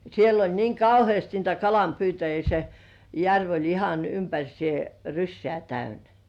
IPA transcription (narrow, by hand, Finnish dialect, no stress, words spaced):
siel olʲ niːŋ kɑuhĭeˑst niːtæ kɑlɑmpyːtæjiː se jærʋ olʲ ihɑn ympærʲsĭeˑ rysːĕæˑ tæynæ